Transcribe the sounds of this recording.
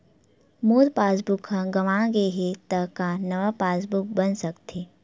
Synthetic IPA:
moːd̪paːs̬bʊkɦãɡɐʋãɡeɦet̪ɐkanɐʋapaːs̬bʊk̚bənsɐkt̪ʰeː

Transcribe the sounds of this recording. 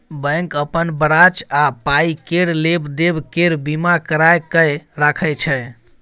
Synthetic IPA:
bə̃ŋkəpənbəɾat͡ʃapaikeɽlebd̪ebkeɾbimakəɾajkəjɾakʰəjt͡ʃʰɛ

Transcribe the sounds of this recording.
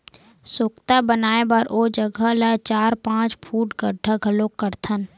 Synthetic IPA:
sʊkt̪abənaːebəɾʔoːd͡ʒəɡʱələt͡ʃaːɾpãːt͡ʃpʰuːʈɡəɖʱːəɡʱəlokːəɾt̪ʰən

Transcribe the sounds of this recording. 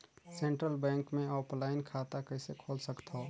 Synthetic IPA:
seɳʈɾəlbɛ̃ŋkmẽɔplaɪnkʰat̪akəɪsekʰolsəkt̪ʰo

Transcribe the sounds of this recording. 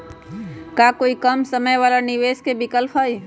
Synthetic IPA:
kakoikəmsəməjʋaːlaniʋeːskebikəlpʰɦəj

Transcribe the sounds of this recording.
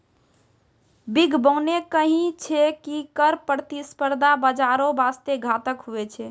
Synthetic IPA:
biɡʱbəʊnekəɦĩt͡ʃʰɛkikəɾpəɾt̪ispəɾd̪ʱabəd͡ʒaɾobast̪eɡʱat̪əkɦuɛt͡ʃʰɛ

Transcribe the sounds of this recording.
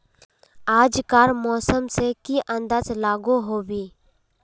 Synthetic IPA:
aːd͡ʒkaːɾmɔːsəmsekiʔə̃nd̪aːzlaːɡuɦoːbiː

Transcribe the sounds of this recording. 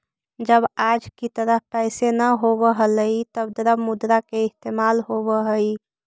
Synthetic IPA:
d͡ʒəbad͡ʒkit̪əɾəɦpɛɪsenəɦobəɦələit̪əbd̪əɾəbmud̪ɾakeɪst̪emalɦobəɦəi

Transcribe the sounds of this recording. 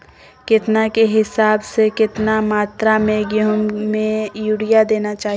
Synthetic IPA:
kɪt̪nakeɦɪsaːbsekɪt̪namaːt̪ɾameɡjəɦʊnmẽjuɽijad̪eːnat͡ʃaːɦ

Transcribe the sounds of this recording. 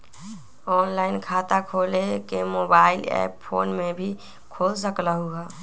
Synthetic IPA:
ɔːnlaɪnkʰat̪akʰolekemobaɪlɛ̰ppʰoːnmebʱi | kʰols̬əkləɦuɡa

